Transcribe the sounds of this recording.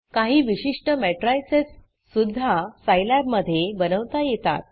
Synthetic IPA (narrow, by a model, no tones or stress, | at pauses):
kaɦiːʋiɕiʂʈəmɛʈɾajsesː | ud̪ʱːasajlab̚məd̪ʱːjebənəʋt̪ajet̪a̰t̪̚